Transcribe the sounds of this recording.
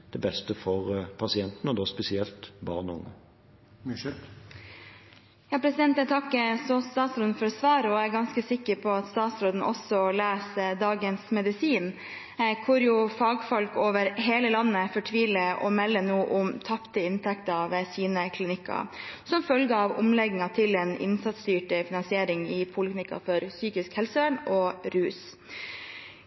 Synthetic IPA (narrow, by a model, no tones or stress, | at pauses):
d̪̥ɛbɛst̪əfɔʁpʰɑsɪɛnt̪nɔd̪oːspɛsɪɛlt̪bɑ̰ːʁnʊ̰ŋə | jɑːpʰɾɛsɪd̪ɛnt̪ɛt̪ʰɑkːəsɔst̪ɑːt̪sɾoːd̪n̩fɔɾsʋɑːɾəɔæɾɡɑnskəsɪkːəɾpʰɔɑt̪st̪ɑːt̪sɾoːd̪n̩ʔɔsɔlæːsd̪ɑːɡənsmɛd̪ɪsiːn | kʰʊɾjʊfɑːɡfɔlkoːʋəɾɦeːləlɑnːəfɔʈʰʋiːləɔ̰mɛlːənuːʔʊmt̪ʰɑpt̪əɪnt̪ʰɛkt̪əʋeːsiːnəkʰlɪnɪkːɑ̰sɔmfœlɡəɑʋʊ̰mlɛɡŋ̩ɑt̪ʰɪlɛːnɪ̰nsɑt̪st̪yːʈəfɪnɑnsɪeːɾɪŋɪpʰʊlɪknɪkːɑ̰fɔɾsyːkɪskhɛlsəøɳɔɾʉːs